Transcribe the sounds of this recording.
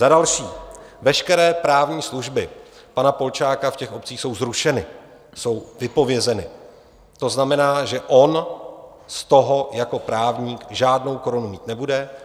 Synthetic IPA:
zadalʃiːvɛʃkɛɾɛːpɾaːvɲiːsluʒbɪ | panapo̞lt͡ʃaːkafcɛxʔo̞p̚t͡siːxso̞wzɾuʃɛnɪ | so̞wvɪpo̞vjɛzɛnɪ | t̪o̞znamɛnaːʒɛʔo̞n | st̪o̞ɦojako̞pɾaːvɲiːkʒaːdno̞wko̞ɾonumiːt̪nɛbudɛ

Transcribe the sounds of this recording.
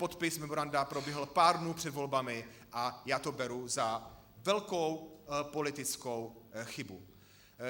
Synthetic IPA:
po̞t̪pɪsmɛmoɾandapɾo̞bjɛɦl̩paːɾdnuːpr̝̥ɛd̪vo̞lbamɪʔajaːt̪obɛɾuza | vɛlkowpo̞lɪt̪ɪt͡skowxɪbu

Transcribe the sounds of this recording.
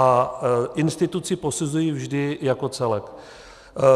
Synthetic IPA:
aʔɪnst̪ɪt̪ut͡sɪpo̞suzujiːvʒdɪjako̞t͡sɛlɛk

